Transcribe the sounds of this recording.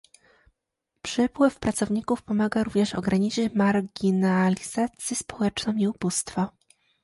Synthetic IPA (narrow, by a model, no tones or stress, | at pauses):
pʂɘpwɘfpɾat̪sɔvɲikufpɔmaɡaɾuvɲɛʂɔ̰ɡɾaɲit͡ʂɘt͡ɕmaɾɡʲinalʲiz̥at̪sʲjispɔ̥wɛt͡ʂnɔ̃w̃iubust̪fɔ